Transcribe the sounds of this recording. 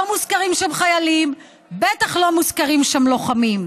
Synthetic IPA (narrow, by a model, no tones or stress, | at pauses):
omuzkaʁimʃamχajalim | bet̪aχlomuzkaʁimʃamlo̞χamim